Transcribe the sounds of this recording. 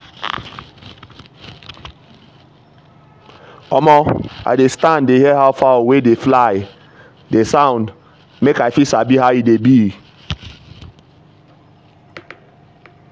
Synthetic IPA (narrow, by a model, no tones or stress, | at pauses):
ɔmɔa̰jdestãndeɦiɦaʊfawedeflaj | desãʊ̃nd | mekajfisabiɦawidebi